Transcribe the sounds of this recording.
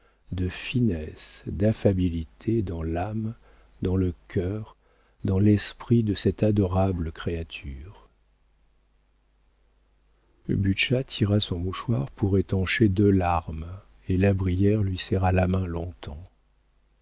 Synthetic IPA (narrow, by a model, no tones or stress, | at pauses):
d̪əfinɛsd̪afabilit̪ʰed̪ɑ̃lam | d̪ɑ̃ləkʲʰœʁ | d̪ɑ̃lɛspχid̪əsɛt̪ad̪ɔʁabləkχeat̪ʰyʁ | byʃat̪ʰiʁasɔ̃muʃwaʁpuʁet̪ɑ̃ʃed̪ølaʁm | elabʁijɛʁlɥisɛʁalamɛ̃lɔ̃t̪ɑ̃